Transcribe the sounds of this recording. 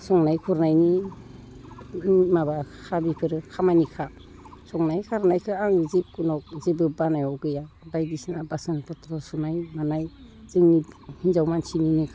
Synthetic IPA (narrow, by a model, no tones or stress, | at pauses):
sɔŋnajkʰuɾnajni | mabakʰabipʰɯɾɯkʰamanikʰa | sɔŋnajkʰaɾnajkʰɯaŋzip̚kunɔk̚zibɯbanajɔwɡɯja | bajdisinabasɯnpʰɔtʰɾɔsɔnajmanaj | z̥ɯŋnihinzawmansininɯkʰ